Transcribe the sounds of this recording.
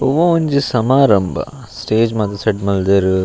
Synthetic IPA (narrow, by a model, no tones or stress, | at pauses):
oʋoɐɲd͡ʒisɐmaːɾɐmbʱɐ̰ | sʈeːd͡ʒmɐd̪ɐseɖmɐld̪eɾu